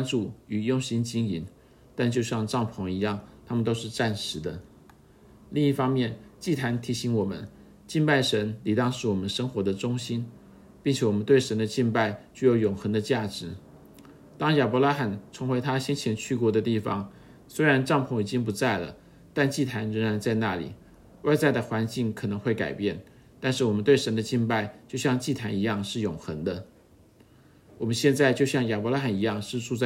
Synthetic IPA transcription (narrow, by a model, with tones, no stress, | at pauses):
nʈ͡ʂu˨˩y˨˩jʊ˥˧ŋɕi˥nt͡ɕi˥ŋi˨˧˩n | t̪a˥˧nt͡ɕjo˥˧ʊɕjɑ˥˧ŋʈ͡ʂɑ˥˩ŋpʰʊ˧˥ŋi˧˥jɑ˥˩ŋt̪ʰa˥mə˨nt̪o˥ʊʂɻ̩˥˧ʈ͡ʂa˥˩nʂɻ̩˧˥d̪ə̰˧ | li˥˧ŋi˥˩fɑ˥ŋmjɛ˥˩nt͡ɕi˥˩t̪ʰa˧˥nt̪ʰi˧˥ɕi˧˥ŋwɔ˨˩mə̰˦n | t͡ɕi˥˧npa˥˩ɪʂə˧˥nli˨˩t̪ɑ˥˧ŋʂɻ̩˥˩wɔ˨˩mə˦nʂə˥ŋxwɔ˧˥d̪ə˧ʈ͡ʂʊ˥ŋɕi˥n | pi˥˩ŋt͡ɕʰjɛ˧˥wɔ˨˩ə˦nt̪we˥˩ɪʂə˧˥nd̪ə˧t͡ɕi˥˧npa˥˧ɪt͡ɕy˥˩jo˧˥ʊjʊ˨˩ŋxə˧˥d̪ə˧t͡ɕja˥˩ʈ͡ʂɻ̩˧˥ | t̪ɑ˥ŋja˨˩pɔ˧˥la˥xa˨˩nt͡sʰɤ˧˥ŋxwe˧˥ɪt̪ʰa˥ɕjɛ˥nt͡ɕʰjɛ˧˥nt͡ɕʰy˥˧kwɔ˧˥d̪ə˧t̪i˥˩fɑ̰˨˩ŋ | swe˥ɪɻa˧˥nʈ͡ʂɑ˥˧ŋpʰʊ˧˥˩ŋi˨˩t͡ɕi˥ŋp̬u˧˥t͡sa˥˩ɪlə̰˩ | t̪a˥˧nt͡ɕi˥˩t̪ʰa˧˥nɻə˧˥ŋɻa˧˥nt͡sa˥˧ɪna˥˩lḭ˨˩ | wa˥˧ɪt͡sa˥˩ɪd̪ə˩xwa˧˥nt͡ɕi˥˩ŋkʰɤ˨˩nɤ˧˥ŋxwe˥˩ɪka̰˨˩ɪpjɛ˥˩nt̪a˥˧nʂɻ̩˥˩wɔ˨˩mə˦t̪we˥˩ɪʂə˧˥nd̪ə˧t͡ɕi˥˧npa˥˧ɪt͡ɕjo˥˧ʊɕjɑ˥˧ŋt͡ɕi˥˩t̪ʰa˧˥ni˧˥jɑ˥˧ŋʂɻ̩˥˩jʊ˨˩ŋxə˧˥ŋd̪ə˧ | wɔ˨˩mə˦nɕjɛ˥˧nt͡sa˥˧ɪt͡ɕjo˥˧ʊɕjɑ˥˩ŋja˨˩pɔ˧˥la˥xa˨˩ni˧˥jɑ˥˧ŋʂɻ̩˥˧ʈ͡ʂu˥˧t͡sa˥˩